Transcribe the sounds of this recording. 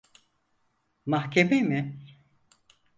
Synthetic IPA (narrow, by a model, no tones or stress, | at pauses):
mahcʰʲememɪ